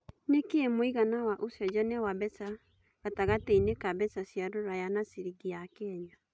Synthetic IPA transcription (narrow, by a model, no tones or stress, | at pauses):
nekeemoiɣanawaʔosɔd͡ʒɔnɛwabɛsa | ɣataɣateinekabɛsasjaɾoɾajanasiɾiɡiakɛːɲa